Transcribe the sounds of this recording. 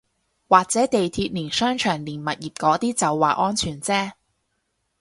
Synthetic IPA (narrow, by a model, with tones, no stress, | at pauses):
waː˨k̚t͡sɛː˨˥t̪e˨jt̪ʰiː˧t̚niː˨˩nsœː˥ŋt͡ʃʰœː˨˩ŋliː˨˩nmɐ˨t̚jiː˨p̚kɔː˨˥t̪iː˥t͡sɐ˨wːaː˨˩ʔɔː˥nt͡ʃʰyː˨˩nt͡sɛː˥